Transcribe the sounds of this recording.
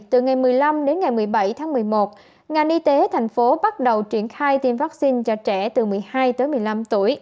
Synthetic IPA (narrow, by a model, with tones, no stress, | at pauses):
t̪ɨ˨˩ŋa˨˩jmɨ˨˩əjla˧mɗe˨˦nŋa˨˩jmɨ˨˩əjɓa˧˩jt̪ʰaː˨˦ŋmɨ˨˩əjmo˨˩t̚ | ŋa˨˩nʔi˧t̪e˨˦t̪ʰa˨˩jŋ̟fo˨˦ɓa˦˥t̚ɗə˨˩wt͡ɕwi˧˩ənxaː˧jt̪i˧˩mvaː˦˥k̚si˧nt͡ɕɔ˧˩t͡ɕɛ˧˩t̪ɨ˨˩mɨ˨˩əjhaː˧jt̪əː˨˦jmɨ˨˩əjla˧mt̪ṵ˧˩əj